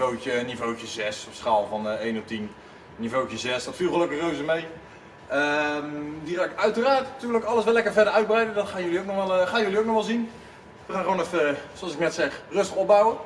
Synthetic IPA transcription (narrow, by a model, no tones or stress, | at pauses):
owt͡ʃənːivowt͡ʃəzɛsɔpsχaːlˠvɑnejnɔp̚tin | nivowcəzɛsdɔtfilˠχəløkəχrowzəmej | əmdiχaːnɪkœɥtəraːɹttyːləkɑlˠəsʋɛlɛkəɹvɛdəɹœɥd̚brɛjdəndɔtχaːnjøliowknɔχʋalˠχaːnjɵliowk̚nɔχmalˠzin | ʋəχaːnəoːnɛfəsoɑlsɪknɛtsɛχrɵstəχɔbawə